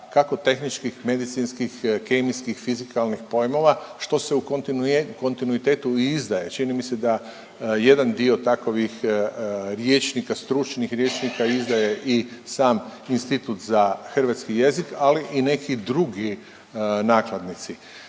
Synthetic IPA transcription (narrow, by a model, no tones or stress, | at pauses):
kako̞t̪e̞xnit͡ʃkixme̞d̪it̪sinskixkemiskixfizikalˠnixpo̞jmo̞ʋaʃt̪o̞se̞u | ko̞nt̪inuit̪e̞ːt̪uizd̪aje̞t͡ʃinimise̞d̪a | je̞d̪and̪io̞t̪akoʋix | ɾjet͡ʃnikast̪ɾut͡ʃnixɾjeːt͡ʃnikaizd̪aje̞ʔisaːminst̪it̪ut̪zaxr̩ʋat̪skije̞zikaliʔine̞kid̪ɾuɡi | naːklad̪nit̪si